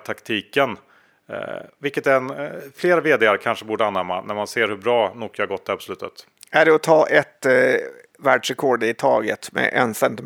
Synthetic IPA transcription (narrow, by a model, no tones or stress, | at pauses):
t̪ʰakt̪ʰiːkən̰ | vɪlkːət̪ɛnfleːɾaveːd̪eːaɾkʰanʂəbuːɖəanːɛmːa̰næɾmanseːɾhɵbɾɑːnuːkːahaɾɡɔt̪d̪ɛhæɾpʰɔslʉ̟ːt̪ə̰t̪ | ʔæɖɛɔt̪ʰɑːʔɛt̪ | væːɖʂɾɛkʰɔɖɪt̪ʰɑːɡə̰t̪mɛ̰ʔɛ̰nsɛnt̪ɪ